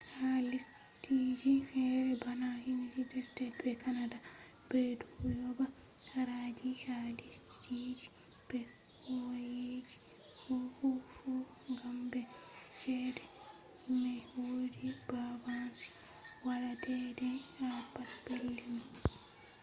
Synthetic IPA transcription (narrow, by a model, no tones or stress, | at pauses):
halis | tid͡ʒifɛɾɛbanahind͡ʒidɛstɛt̚bɛkanada | b̥ɛduujɔba | aɾad͡ʒihalisttid͡ʒi | b̥ɛ | hɔjed͡ʒi̥ | hɔfufu | ŋɡambɛ | t͡ʃɛdɛ | mɛwodibavansi̥ | waladɛdɛapːatbelːima